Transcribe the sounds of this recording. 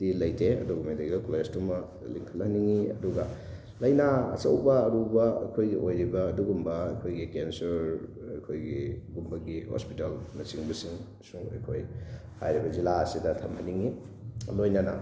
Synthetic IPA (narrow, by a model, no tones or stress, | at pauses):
d̥ilɐjtʰeɐ̰duɡumideɡɐkljestumɐ | liŋkʰɐlhɐniŋiɐ̰duɡɐ | lɐjnaɐ̰t͡ʃɐwbɐːɾubɐɐ̰jkʰojɡiʔojɾibɐːduɡumbɐːjkʰojɡikensɐɾ | ɐkʰojɡiɡumbɐɡiho̰spitalnɐsiŋbɐsiŋ | suŋɐ̰jkʰoj | ha̰jɾibɐzilaɐsidɐtʰɐmhɐniŋi | lojnɐnɐ̰